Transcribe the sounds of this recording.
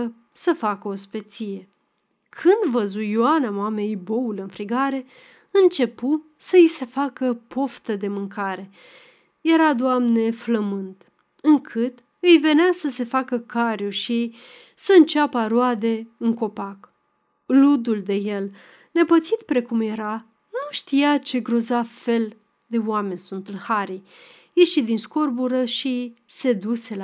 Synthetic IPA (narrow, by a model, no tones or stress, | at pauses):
səfakəospe̞t̪sije̞ | kʰɨnd̪vəzujoanamoame̞jboulɨnfɾiɡaɾe̞ | ɨnt͡ʃe̞pu | səjise̞fakəpʰo̞ft̪əd̪e̞mɨŋkʰaɾe̞ | je̞ɾad̪oamne̞fləmɨnt̪ | ɨŋkʰɨt̪ | ɨjve̞neasəse̞fakəkʰaɾjuʃi | səɨnt͡ʃapəaɾoad̪e̞ɨŋko̞pak | lud̪uld̪e̞je̞l | ne̞pət̪sit̪pɾe̞kumje̞ɾa | nuʃt̪ijat͡ʃe̞ɡɾozafe̞l | d̪e̞oame̞nʲsunt̪ɨnhaɾij | jeʃid̪insko̞rbuɾəʃise̞d̪use̞l